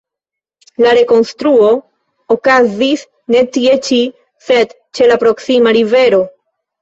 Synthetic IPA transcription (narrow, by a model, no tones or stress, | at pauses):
laɾe̞ko̞nstɾuo̞ | okazis | ne̞tie̞t͡ʃi | se̞d | t͡ʃe̞lapɾo̞ksimaɾive̞ɾo̞